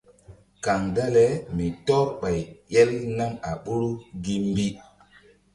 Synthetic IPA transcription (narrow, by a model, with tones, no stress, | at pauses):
ka˨ŋda˦lɛ˦mi˨tɔ˦ɾɓa˨jjɛ˦lna˦ma̰˨ɓu˦ɾu˦ɡi˦m˦bi˦